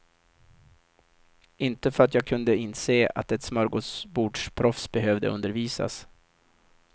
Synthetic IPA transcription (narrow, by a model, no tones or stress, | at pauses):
ʔɪnt̪əfœɾat̪jɑːɡ̚kʰɵnd̪əɪnːseːa̰t̪ɛt̪smɑːɾɡosbuːɖʂpʰɾɔfsbɛɦøːvd̪ə̰ʔɵ̰nd̪əɾviːsa̰s